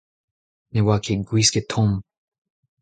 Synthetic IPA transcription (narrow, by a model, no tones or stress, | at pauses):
newakʰeɡwisket̪ʰõm